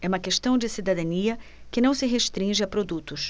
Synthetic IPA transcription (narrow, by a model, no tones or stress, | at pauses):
ɛũmɐkeʃt̪ɐ̃w̃d͡ʒɪsid̪ad̪ɐniɐkɪnɐ̃w̃sɪɦeʃt̪ɾĩʒɪɐpɾod̪ut̪ʊs